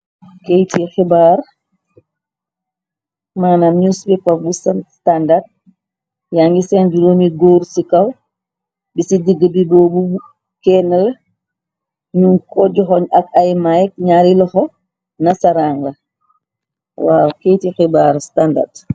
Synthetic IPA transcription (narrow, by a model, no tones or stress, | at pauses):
kejtixibaːr | maːnamɲusbipɐk̚busstandart̚ | jaŋɡisɛnduɾɔniɡɔːɾsikɐw | bisidiɡəbidɔːbu | kɛnɐl | ɲunkɔɟɔxɔɲɐkajmajk̚ɲaːɾilɔxɔ | nɐsɐɾaːŋɡɐ | waːwkejtixibaːɾstanda̰rt